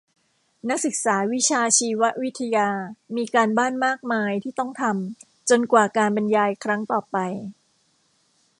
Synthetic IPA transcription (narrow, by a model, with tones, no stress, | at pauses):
na˦˥k̚sɯ˨˩k̚saː˩˦wi˦˥t͡ɕʰaː˧t͡ɕʰiː˧wa˦˥ʔwi˦˥t̪ʰːa˧jaː˧miː˧kaː˧nbaː˥˩nmaː˥˩k̚maː˧jt̪ʰiː˥˩t̪ɔ˥˩ŋt̪ʰa˧m | t͡ɕo˧nkwaː˨˩kaː˧nba˧njaː˧jkʰɾa˦˥ŋt̪ɔː˨˩pa˧j